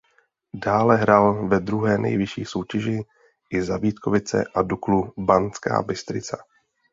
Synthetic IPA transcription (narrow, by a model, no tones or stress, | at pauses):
daːlɛɦɾaːlvɛd̪ɾuɦɛːnɛ̰jvɪʃḭːso̞wcɛʒɪ | ʔɪzabiːt̪kʰo̞vɪt͡sɛ̰ʔaduklubant͡ska̰ːbɪst̪ɾɪt͡sa